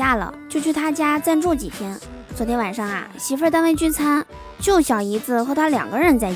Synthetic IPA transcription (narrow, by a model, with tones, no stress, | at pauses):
a˥lə̰˩t͡ɕjo˥˧ʊt͡ɕʰy˥˩t̪ʰa˥t͡ɕja˥t͡sa˥˧nʈ͡ʂu˥˩t͡ɕi˨˩t̪ʰjɛ˥n | t͡swɔ˨˩t̪ʰjɛ˧˥nwa˨˩nʂɑ˥˩ŋɐ̰˩ɕi˧˥fe˥˧ɪt̪a˥nwe˥ɪt͡ɕy˥nt͡sʰa˥n | t͡ɕjo˥˩ʊɕjɑ˨˩ʊi˧˥t͡sɹ̩˧xɤ˧˥t̪ʰa˥ljɑ̰˨˩ŋɡə˦ɻə˥˧nt͡sa˥˧ɪ